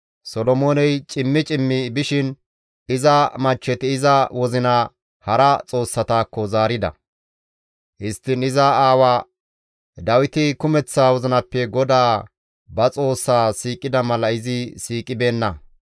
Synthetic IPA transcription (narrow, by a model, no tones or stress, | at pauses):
sɔlɔmoːnɛjt͡ʃʼɪmːɪt͡ʃʼɪmːɪbɪʃɪn | ɪzɐmɐt͡ʃːɛt̪ɪɪzɐwɔzɪnɐ | hɐɾɐt͡sʼo̞ːsːɐt̪aːkːɔzaːɾɪd̪ɐ̰ | hɪst̪ːɪnɪzɐaːwaː | d̪ɐwɪt̪ɪkʊmɛt͡sːaːwɔzɪnɐpːɛɡɔd̪aː | bɐt͡sʼo̞ːsːaːsiːkʼɪd̪ɐmɐlɐɪzɪsiːkʼɪbe̞ːnːɐ